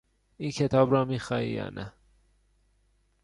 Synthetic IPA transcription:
iːncʰe̞t̪ʰɒːbɾɒːmiːxɒːḭːjɒ̰ːnʔæ

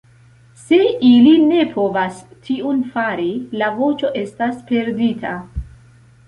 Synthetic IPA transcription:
se̞iline̞pʰo̞vastʰiunfaɾilavo̞t͡ʃo̞ʔe̞staspe̞ɾditʰa

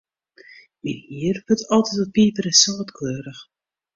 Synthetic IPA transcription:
minhiərvøtɔlˠtɛtɔpiːpəɾəsoːtkʰøːɾəx

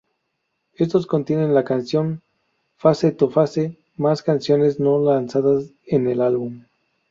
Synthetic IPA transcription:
e̞st̪o̞sko̞nt̪je̞ne̞nlakansjo̞n | faset̪ofase̞ | maskansjo̞ne̞zno̞lansaðas | ene̞lalβum

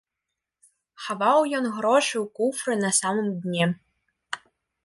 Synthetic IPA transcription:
xavɑwjɔnɣɾɔʂɨwkufɾɨnɐsamɨmd̪ʲnʲe

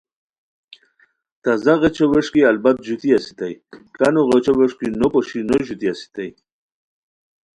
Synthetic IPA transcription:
t̪azaɣet͡ɕoweʂkialbat̪̚ʒut̪iasi̥t̪ajkanoʁot͡ʃoweʂkinopoʃinoʒut̪iasi̥t̪aj

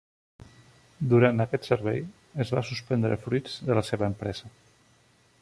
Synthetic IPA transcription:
d̪uɾant̪əkɛt̪səɾβɛ̰j | əzβasuspənd̪ɾə̰fɾuid͡zðələseβəːmpɾɛzə

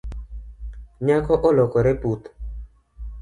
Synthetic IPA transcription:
ɲakɔʔɔlɔkɔɾɛput̪

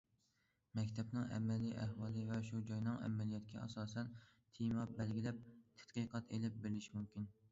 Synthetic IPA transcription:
mɛkʲt̪ʰɛpnɨŋʔæ̰mɛlːiʔæhwɑːlˠɨvɛʃud͡ʒɑjnɨŋɛ̰mɛlijɑt̪̚kʲʰɛɑ̰sɑːsɛn | t̪ʰimɑbælɡʲilɛp̚t̪ʰæ̥t̪qɨqʰɑt̪elɪp̚beɾɪlɪʃimumkʲin

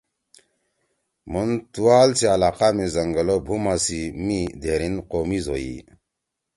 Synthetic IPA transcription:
muntualt͡sialaqamizəŋɡəlobʱumasimid̪eɾinqomizo̰jḭ

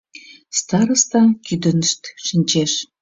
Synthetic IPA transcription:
st̪ɑɾə̆st̪ɑkyd̪ə̆nəʃt̪ʃənʲt͡ɕeʃ

